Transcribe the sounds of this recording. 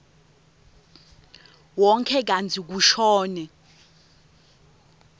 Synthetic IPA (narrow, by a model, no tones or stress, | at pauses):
wɔŋkʰɛk̬antʰik̬uʃɔːnɛ